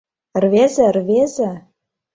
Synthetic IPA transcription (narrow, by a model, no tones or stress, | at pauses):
rvezɘ̆rvezɘ̆